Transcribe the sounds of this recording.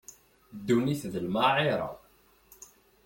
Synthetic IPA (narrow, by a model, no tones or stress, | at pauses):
d̪ːuniθðəlmaʕɪɾˤɑ̰